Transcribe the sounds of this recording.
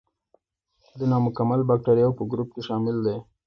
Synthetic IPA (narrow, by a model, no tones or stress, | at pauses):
d̪ənɑmʊkamalbak̚ʈaɾijawpəɡɾup̚keʃɑmɪld̪e